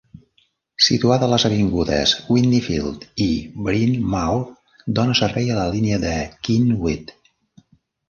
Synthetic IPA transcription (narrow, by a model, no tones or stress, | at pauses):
sḭt̪uaðələzəβiŋɡuðə̰zwindifḭlˠt̪ibɾinmaw | d̪onəsərβɛjələliniəðəkinwit̪